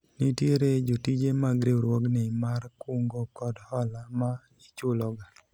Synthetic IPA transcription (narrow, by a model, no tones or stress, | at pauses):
nitjeɾed͡ʒotid͡ʒemaɡɾeoɾwɔɡnɛimarkuŋɡokɔdhɔlama | it͡ʃʊlɔɡa